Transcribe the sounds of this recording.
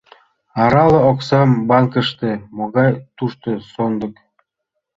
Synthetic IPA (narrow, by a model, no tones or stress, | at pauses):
ɑɾɑlɤ̆oksembɑŋkə̆ʃt̪ĕmoɣɑjt̪uʃt̪osond̪ɤ̆k